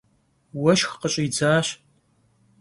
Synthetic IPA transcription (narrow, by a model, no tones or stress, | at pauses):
wɐʃxqəɕʼjd͡zaːɕ